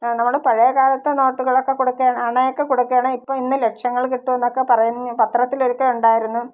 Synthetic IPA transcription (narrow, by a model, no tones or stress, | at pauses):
nɐmːuɽepɐɻɐjɐkaːlɐt̪ːeno̞ːʈːuɣɐɭo̞kːe̞kuɽukːaːɳɐɳɐjokːe̞kuɽukːaːɳɨipːoːinːɨlekʂɐŋːɐɭkiʈːuenːo̞kːe̞pɐrɐjunːpɐt̪rɐt̪ːileɾukʲːɐuɳɖaːjiɾunːu